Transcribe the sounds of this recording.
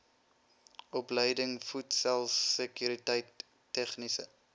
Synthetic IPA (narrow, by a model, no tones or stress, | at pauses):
ʔɔpləjdəŋfutsɛlˠsːəkyɾitəjtː | ɛχnisə